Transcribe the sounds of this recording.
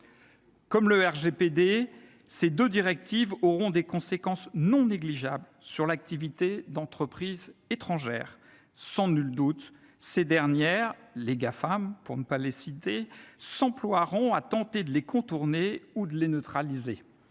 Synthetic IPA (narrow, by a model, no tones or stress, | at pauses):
kɔmləɛʁʒeped̪e | sed̪ød̪iʁɛk̚t̪ivɔʁɔ̃d̪ekɔ̃sekɑ̃snɔ̃neɡliʒablsyʁlak̚t̪ivit̪ed̪ɑ̃t̪χəpχizet̪χɑ̃ʒɛ̰ːʁ | sɑ̃nyld̪ut̪ | sed̪ɛʁnjɛʁleɡafampuʁnəpalesit̪esɑ̃plwaʁɔ̃at̪ɑ̃t̪ed̪əlekɔ̃t̪uʁneud̪əlenøt̪χalize